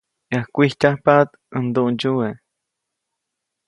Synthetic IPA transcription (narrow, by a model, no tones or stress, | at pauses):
ahkʷihcʲahpat̪ | ənd̪uʔnd͡ʒue